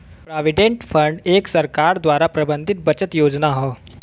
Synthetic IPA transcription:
pɾɔʋiɖeɳʈfəɳɖeksəɾkaɾd̪ʋaɾapɾəbənd̪ʱit̪̚bət͡ɕət̪jod͡znaɦɔ

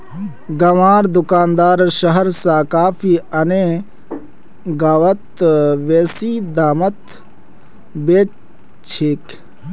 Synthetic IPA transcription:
ɡɐʋaːɾd̪ʊkaːnd̪aːɾʃɐɦəɾsaːkaːfʰiːɐne | ɡaːʋɐt̪ʋeːsiːd̪aːmɐt̪ | beː | t͡ʃʰik

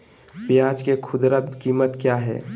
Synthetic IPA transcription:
pɪjaːd͡ʒkekʰʊd̪ɾakiːmət̪kjaɦɛ̰ː

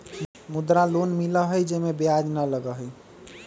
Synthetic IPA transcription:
mud̪ɾalonmiləɦəjd͡ʒemebiad͡ʒnələɡəɦəj

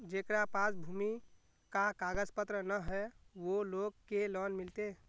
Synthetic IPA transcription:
d͡ʒekɾapasbʱumi | kakaɡəzpət̪ɾənəɦɛʋoloɡkelɔnmɪlt̪e

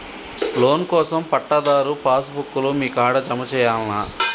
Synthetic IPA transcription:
lo̞ːnkɔːsɐmpɐʈːɐd̪aːɾupaːsbukːulumiːkaːɽɐd͡ʒɐmɐt͡ʃɛːjaːlnaː

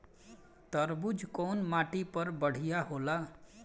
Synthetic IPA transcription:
t̪əɾbud͡ʒkonmaʈipəɾbəɽ̤ijaɦola

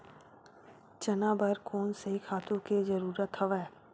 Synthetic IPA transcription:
t͡ʃɐnaːbəɾkʰoːnsekʰaːt̪ũkezəɾuːɾət̪ɦɐʋɛː

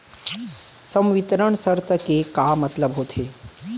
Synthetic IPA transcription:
sɐ̃mʋɪt̪ɾəɳ̃səɾt̪ʰəkekamɐt̪ləbɦoːt̪ʰeː

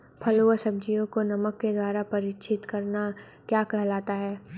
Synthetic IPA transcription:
pʰɐloːəsɐb̚d͡ʒijõkonɐməkːed̪waːɾapɐɾɪt͡ʃʰɪt̪kɐɾna | kjaːkɛɦlaːt̪aɦɛː

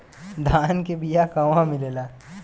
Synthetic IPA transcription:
d̪ʱaːnkebijakɐʋãmɪlelaː

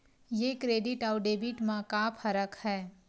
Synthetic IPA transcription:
jekɾeːɖɪʈɔːʊɖeːbɪʈmãkapʰɐɾəkhɛː

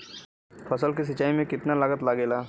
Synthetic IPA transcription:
pʰɐsəlk̬is̬ɐt͡ʃːaːimẽkɪt̪nalɐɡət̪laːɡeːlaː

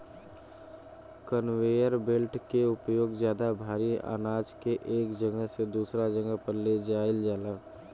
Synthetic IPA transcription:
kənweːjəɾbelʈkeʊpjoːɡzjaːd̪abʱaːɾia̰ːnaːd͡ʒkeʔeːkd͡ʒəɡəɦsed̪uːsɾad͡ʒəɡəɦpəɾled͡ʒaːɪld͡ʒaːlaː

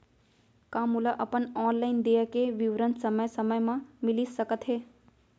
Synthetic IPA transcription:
kãːmulaʔəpənɔːnlaɪnd̪eːəkeʋiʋɾənsəməjsəməjmãmɪlisəkət̪ɦeː

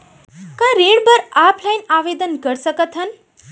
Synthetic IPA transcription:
kãɾẽɽbəɾaːpʰlajnaːʋeːd̪ənkəɾsəkət̪ɦən

